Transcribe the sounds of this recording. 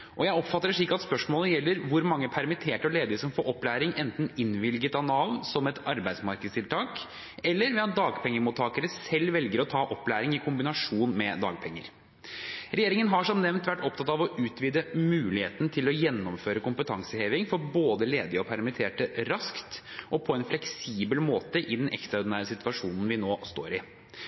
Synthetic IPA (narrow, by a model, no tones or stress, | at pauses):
ʔɔjæɪɔpfɑt̪ːəʂɭiːkːɑt̪spœʂmoːləjɛlːəɾʋʊɾmɑŋːəpʰæɾmɪt̪ʰeːʈəɔleːd̪ɪsɔmfoːʔɔpːlæːɾɪŋʔɛnt̪n̩ɪnʋɪlɡət̪ɑnɑːʋsɔmɛt̪ɑɾbæɪsmɑɾkəd̪st̪ʰɪlt̪ʰɑːk | ɛlːəɾʋɛɑt̪̚d̪ɑːɡpʰɛŋːəmuːt̪ʰːɑːkəɾəsɛlːʋɛlɡəɾɔt̪ʰɑːʔɔplæːɾɪŋɪkʰʊmbɪnɑʂuːnmɛd̪ɑ̰ːɡ̚pʰɛŋːə̰ɾ | ɾɛjeːɾɪŋənɦɑʂɔmnɛʋnt̪ʋæʈːɔp̚t̪ʰɑt̪ɑʋɔʔʉːt̪ʰʋiːd̪əmʉːlɪheːt̪nt̪ʰɪlɔjɛnːɔmføːɾəkʊmpət̪ʰɑŋsəheːʋɪŋfɔɾboːd̪əleːd̪ɪɔpʰæɾmɪt̪ʰeːʈəɾɑskt̪ | ʔɔpʰɔɛnflɛksiːbəlmoːt̪əʔɪd̪ɛnʔɛ̰kst̪ɾɑɔd̪næːɾəsɪt̪ʋɑʂuːnn̩ʋɪnoːst̪oːɾɪ